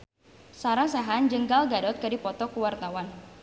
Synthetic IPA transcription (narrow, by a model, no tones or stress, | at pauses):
saɾasaɦand͡ʒəŋɡalɡadɔt̪̚kədipɔt̪ɔkuwart̪awan